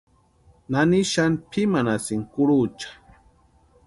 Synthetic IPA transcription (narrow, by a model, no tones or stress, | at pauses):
naniʃanpʰimanasiŋkʊɾut͡ʃḁ